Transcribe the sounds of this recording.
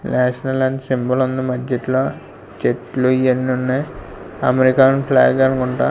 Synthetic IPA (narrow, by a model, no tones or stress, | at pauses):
naːʂɐnɐlːaːɳɖsimbɐlund̪umɐd͡ʒɐʈloː | t͡ʃeʈluienːunːe | ɐmeɾikaːnpla̰ːɡaːnkuɳʈa̰ː